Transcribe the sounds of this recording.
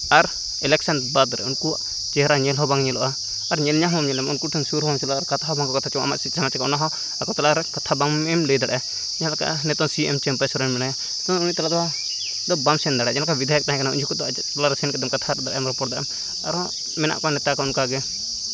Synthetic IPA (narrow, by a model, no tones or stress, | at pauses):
aɾ | ɛlɛk̚sanbad̪ɾɛ̰unku | t͡ʃɛɦɾaɲɛlɦɔbaŋɲɛlɔʔaː | ɾɲɛlɲaɦɔamɲɛlɛmunkuʈʰɛnsuɾɦɔmsɛlɔaɾkat̪ʰaɦɔbaŋkɔkat̪ʰat͡ʃɔa̰ma̰ʔsisamat͡ʃɛkɔɔnaɦɔ | akɔt̪alaɾɛkat̪ʰabaŋɛmləjd̪aɽaa | d͡ʒɛãlaka̰ʔnɛt̪ɔnsiɛmt͡ʃɛmpasɔɾɛnmɛnaja | t̪ɔnuɲit̪alad̪ɔa | d̪ɔbamsɛnd̪aɽad͡ʒɛlakabid̪ʱajək̚t̪aɦɛ̃kanaṵɲɔkɔd̪ɔ | t̪ɔlaɾɛsɛnkɛd̪ɔmkat̪ʰaɾd̪aɽajɛmɾɔpɔɽd̪aʔɛm | aɾɔ | mɛna̰ʔkɔanɛt̪akɔunkaɡɛ